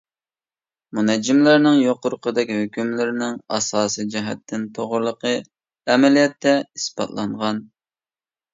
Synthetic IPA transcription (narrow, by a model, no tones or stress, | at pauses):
munɛd͡ʒːɪmlɪɾnɪŋjoqʊɾqʰəd̪ɛkʲhøkʲʰymlɪɾɪnɪŋɑ̰sɑːsijd͡ʒɛɦɛt̪ʰːɪnt̪ʰoʁʊɾlˠəqʰə | ɛmɛlijɛt̪ʰːɛispɑ̰t̪lˠɑɴʁɑn